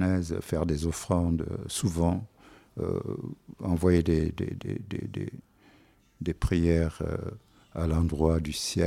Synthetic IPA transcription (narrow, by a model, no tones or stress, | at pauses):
nɛzfɛʁd̪ezɔfχɑ̃d̪suvɑ̃ø̰ | ɑ̃vwajed̪ed̪ḛd̪ḛd̪ḛd̪ḛ | d̪epχijɛʁ̰ | alɑ̃d̪ʁwad̪ysjɛ